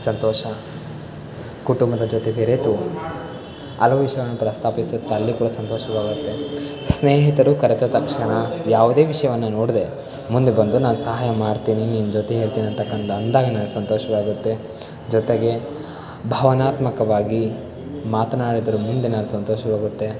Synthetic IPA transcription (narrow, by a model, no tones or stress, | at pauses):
sɐnt̪ɔːʃɐ | kuʈumbɐd̪ɐd͡ʒoːt̪e̞beɾet̪u | ɐ̰lɐʋiʂɐjɐʋɐnːupɾɐst̪ʰaːpisut̪ːeɐlːikuːɽɐsɐnt̪ɔːʃɐʋaːɡut̪ːe̞ | sneːɦit̪ɐɾukɐɾet̪ɐt̪ɐkʂɐɳɐjaːʋud̪e̞ːʋiʂɐjɐʋɐnːɐnoːɽid̪e̞ | mund̪e̞bɐnd̪unaːnusɐɦaːjɐmaːɖt̪iːniniːnud͡ʒoːt̪e̞ɦe̞ːɭt̪iːniɐnt̪ɐkːɐnt̪ɐːnd̪aːɡɐnaːnusɐnt̪ɔːʃɐʋaːɡut̪ːe̞ | d͡ʒɔt̪eɡe̞ | bʱɐʋɐnaːt̪mɐkɐʋaːɡi | maːt̪ɐnaːɽid̪ɐɾumund̪e̞naːnusɐnt̪ɔːʃɐʋaːɡut̪ːe̞